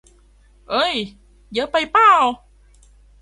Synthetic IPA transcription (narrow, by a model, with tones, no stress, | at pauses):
ʔə˧˩j | jəː˨˦pə˧jpa˦˥˩w